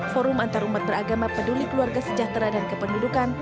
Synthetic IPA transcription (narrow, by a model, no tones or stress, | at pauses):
fɔɾʊmant̪aɾumat̪̚bəɾaɡamapədulikəluarɡasəd͡ʒaht̪ɾadankəpəndudukan